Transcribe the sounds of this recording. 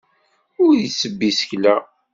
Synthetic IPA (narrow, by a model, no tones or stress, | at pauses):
ʊɾjəsːəbːisə̥çlæ